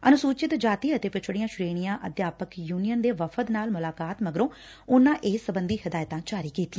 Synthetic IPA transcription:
ənʊsuːt͡ʃɪt̪d͡ʒaːt̪iːət̪eːpɪt͡ʃʰɽiːãːʃɾeːɽ̃ɪjãːʔəd̪jaːpəkjuːnijənd̪eːʋəfʰət̪naːlmʊlaːkaːt̪məɡɾõː | ʊnãːʔeːsːəbənd̪iːhɪd̪aːjt̪ãːt͡ʃaːɾiːkiːt̪iãː

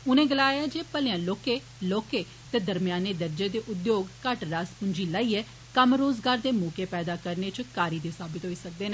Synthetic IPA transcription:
ʊnẽːɡəlaːjaːd͡ʒeːpəljãːloːkeː | loːkeː | t̪eːd̪əɾmɪjaːneːd̪əɾd͡ʒeːd̪eːʔʊd̪joːɡkəʈɾaːspʊɲd͡ʒiːlaːiːɛː | kəmɾoːzɡaːɾd̪eːmuːkeːpɛːd̪aːkəɾneːt͡ʃkaːɾiːd̪esaːbɪt̪ɦoːiːsək̚d̪eːnɛː

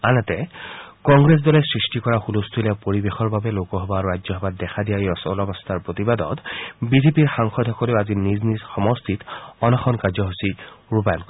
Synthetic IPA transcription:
anɛtɛkɔŋɡɹes̬dɔlɛsɹistikɔɹaxulust̪ʰulɛpoɹibexɔɹbabɛlokɔɦɔbaɹuɹajzɔɦɔbat̚dɛxʰadijajɔsɔlɔbɔst̪ʰaɹpɹot̪ibadɔ̰tbizepiɹxaŋxɔdʱɔkɔleʊaziniznizxɔmɔst̪ʰitɔnaxʰɔnkaɹzɔɦusiɹupajɔnkɔ

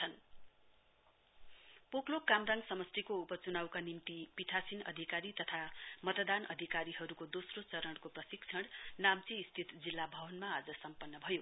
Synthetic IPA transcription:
t͡sʰʌn | poklokːamraŋɡsʌmʌst̪ikoupʌt͡sunawkanimt̪ipit̪ʰasinʌ̰d̪ʱikaɾit̪ʌt̪ʰamʌt̪d̪anʌ̰d̪ʱikaɾiɦʌɾukod̪osrot͡sʌɾʌɽkoprʌsik̚t͡sʰʌɽnamt͡siːst̪ʰit̪d͡zilːabʱʌbʌnmaːd͡zʌsʌmpʌnːʌbʱʌjo

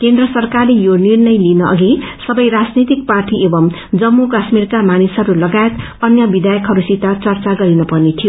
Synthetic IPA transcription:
kend̪rʌsʌrkarlejonirnʌjlinʌʔʌ̰ɡisʌbʌjɾad͡znit̪ik̚parʈiʔebʌm | d͡zʌmːukasmirkamanisʌɾulʌɡajet̪ | ʌnjʌbid̪ajʌkɦʌɾusit̪at͡sʌrt͡saɡʌɾinʌpʌrnet̪ʰijo

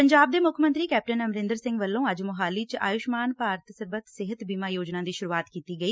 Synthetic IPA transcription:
pəɲd͡ʒaːb̚d̪eːmʊkʰmə̃nt̪ɾiːkɛːp̚ʈənəmɾɪ̃nd̪əɾsɪ̃ŋɡʋəlːõːəd͡ʒmʊɦaːliːt͡ʃa̰ːjʊʃmaːnpaːɾət̪səɾbət̪sɪɦət̪biːmaːjoːd͡ʒnãːd̪iːʃʊɾuːaːt̪kiːt̪iːɡəiː

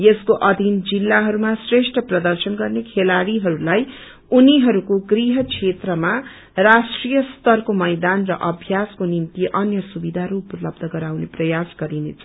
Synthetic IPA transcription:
jeskoʔʌd̪ʱind͡zilːaɦʌɾumasreʂʈrʌprʌd̪ʌrsʌnɡʌrnekʰelaɽiɦʌɾulaj | uniɦʌɾukoɡriɦʌkt͡sʰet̪rʌma | rasʈrijʌst̪ʌrkomʌjd̪anrʌʔʌbʱjaskonint̪iʔʌnjʌsubid̪ʱaɾuplʌbd̪ʱʌɡʌɾawneprʌjasɡʌɾinḛt͡sʰʌ

